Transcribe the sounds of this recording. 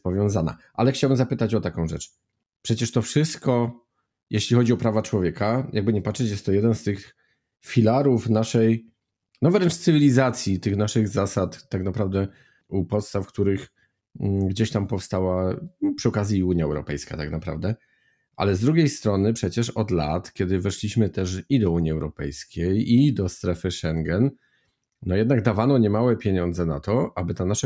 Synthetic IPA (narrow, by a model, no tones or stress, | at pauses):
pɔvʲjɔ̃w̃zana̰ʔa̰lɛxt͡ɕawbɘmzapɘt̪at͡ɕɔt̪akɔ̃w̃ʐɛt͡ʂ | pʂɛt͡ɕɛʂt̪ɔfʂɘst̪kɔ | jʔeɕlʲixɔd͡ʑiɔpɾavat͡ʂwɔvʲjɛkajʔaɡ̚bɘɲɛpatʂɛt͡ɕjɛst̪ɔjɛd̪ɛnst̪ɘx | fʲilaɾufnaʂɛj | nɔvɾɛnt͡ʂt̪sɨvʲilʲizat̪sʲjit̪ɘxnaʂɘɣzasat̪ːaknapɾavd̪ɛ | upɔt̪st̪afkt̪uɾɘx | ɡd͡ʑeɕt̪ampɔfst̪awapʂɨɔkazʲjiuɲjaɛwɾɔ̰pɛjska̰t̪aknapɾa̰vd̪ɛ | ʔa̰lɛzd̪ɾuɡʲejst̪ɾɔnɘpʂɛt͡ɕɛʂɔd̪la̰t̪kʲɛd̪ɘvɛʂlʲiɕmɘt̪ɛʂid̪ɔuɲiɛwɾɔpɛ̰jskʲejid̪ɔst̪ɾɛfɘʂɛŋɡɛnː | ɔjɛd̪̚naɡ̚d̪avanɔɲɛmawɛpʲjeɲɔnd̪zɛnat̪ɔʔabɘt̪anaʂa